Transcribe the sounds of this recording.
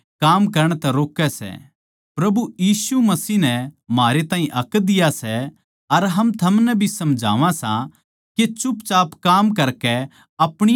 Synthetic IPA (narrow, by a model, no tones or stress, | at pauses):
kaːmkɐɾəɽ̃t̪ɛɾoːkːɛsɛ̰ | pɾɐbujiːsumɐsiːnɛmaːɾet̪ãːɦĩʔɐkːd̪ɪjasɛ | ɐɾɦɐmt̪ʰɐmnɛbʱisɐmd͡ʒʱa̰ːʋãsã | ket͡ʃʊpt͡ʃaːpkaːmkɐɾkɛ | ɐpɽ̃ɪ